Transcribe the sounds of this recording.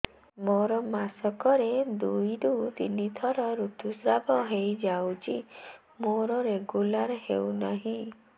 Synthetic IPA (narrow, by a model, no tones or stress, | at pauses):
moɾɔmasɔkɔɾed̪ujɾut̪init̪ʰɔɾɔɾut̪usɾabɔɦejd͡ʒawt͡ʃʰi | moɾɔɾeɡulaɾɔhewnaɦĩ